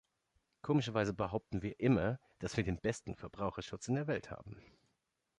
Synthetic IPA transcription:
kʰoːmɪʃɐvaɪzəbəɦaʊp̚tn̩viːɐʔɪmɐ | d̥asv̥iːɐdeːnbɛstn̩fɛɐbʁaʊxɐʃʊt͡sɪndeːɐvɛltha̰ːbm̩

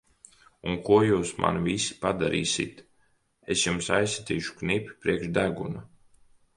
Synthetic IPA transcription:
unkuɔjuːsma̰nvisi̥pad̪aɾḭːsʲḭt̪ | esjumsajsat̪iːʃu̥knipʲi̥pɾiɛkʃd̪æɡuna

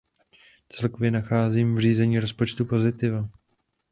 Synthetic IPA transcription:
t͡sɛlko̞vjɛnaxaːziːmvr̝iːzɛɲiːɾo̞spo̞t͡ʃt̪upo̞zɪt̪ɪva

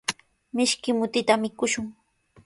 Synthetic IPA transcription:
mɪʃkɪmʊt̪ɪt̪amɪkʊʃʊŋ

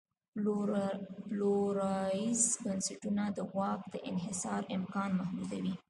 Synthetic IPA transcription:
ploɾɑizbansaʈunad̪əwɑk̚d̪əʔɪnɦɪsɑɾɪmkɑnmahd̪ud̪awi

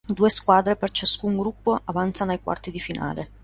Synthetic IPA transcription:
d̪uːeskwaːd̪ɾepert͡ʃaskuŋɡɾupːoʔavant̪sanoajkwa̰rt̪id̪ifina̰ːle

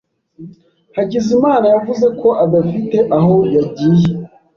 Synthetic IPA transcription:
haɟizimaːnajavuze̞kʰo̞ʔaɡafite̞ʔaɦo̞jaɟiːje

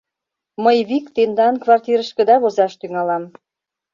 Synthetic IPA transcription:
məjβikt̪end̪ɑnkβɑrt̪ʲiɾəʃkə̆d̪ɑβozɑʃt̪yŋɑlɑm

